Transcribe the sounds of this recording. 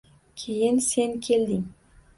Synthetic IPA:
kʲʰejɪnsenkʲʰeld̪ɪŋ

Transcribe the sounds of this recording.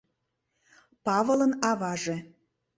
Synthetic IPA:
pɑvələnɑvɑʒe

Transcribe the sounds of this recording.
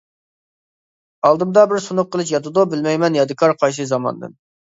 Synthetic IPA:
ɑlˠd̪ɨmd̪ɑbɪɾsunʊqʰːəlˠɨʃjɑt̪ʰɨd̪ubɪlmɛjmɛnjɑd̪ɨkʰɑɾqʰɑjs̬ɨzɑmɑ̰nd̪ɨ̰n

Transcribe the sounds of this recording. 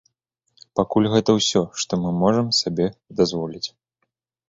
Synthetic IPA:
pakulʲɣɛt̪ɐwsʲɔʂt̪ɔmɨmɔʐɐmsabʲɛd̪azvɔlʲit͡sʲ

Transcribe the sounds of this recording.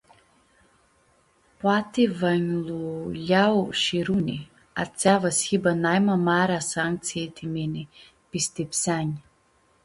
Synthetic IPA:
pat̪ivaɲluʎʲawʃiɾuni | a̰t͡sʲavashibanajmamaɾasaŋk̪̚t͡s̪iet̪ʰimeni | pist̪epsaɲ

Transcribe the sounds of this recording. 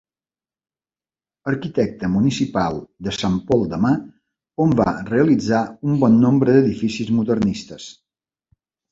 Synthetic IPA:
əɾkit̪ɛk̚t̪əmunisipalˠd̪əsampɔlˠd̪əma | omba̰reəlid͡zaumbɔnːombɾəðəðifisizmuðərnist̪əs

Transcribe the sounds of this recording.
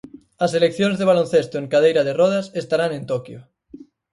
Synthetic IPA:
ɐselekθjõnzðeβ̞alon̟θest̪oeŋkað̞ejɾaðerɔðasest̪aɾaŋẽnt̪okjo

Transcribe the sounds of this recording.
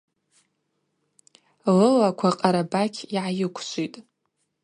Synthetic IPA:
lɨlakʷʰaqʼaɾabakʲʰiʕajɪkʷʰʃʰʷʼitʼ

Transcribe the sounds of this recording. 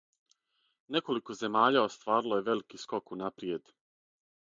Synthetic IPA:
ne̞ko̞liko̞ze̞maːʎao̞st̪ʋaːɾiloje̞ʋe̞likiːsko̞kunapɾije̞d̪

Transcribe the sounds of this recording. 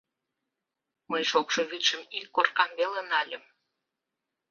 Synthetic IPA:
məjʃokʃoβyt̪ʃəmikːorkɑmbelenɑlʲəm

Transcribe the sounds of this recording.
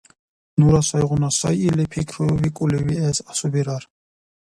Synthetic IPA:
nuɾasajʁunasa̰jilipʰikʰɾuvikʼuliviɛsasubiɾaɾ

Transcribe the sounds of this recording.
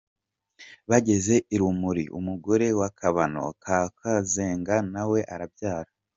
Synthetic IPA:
βaɟe̞ze̞iɾumuɾḭʔṵmuɡo̞ɾe̞wakʰaβano̞̰kakazeːŋɡanawe̞ʔaɾabjaːɾa

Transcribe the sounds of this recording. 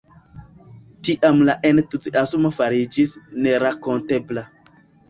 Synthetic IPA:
tiʔamlaʔentut͡siʔasumafaɾid͡ʒisneɾakontebla

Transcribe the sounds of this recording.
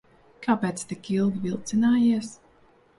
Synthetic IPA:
kaːpɛːt̪st̪ɨkilˠɡ̪ɨvilˠt̪sinaːjiɛs

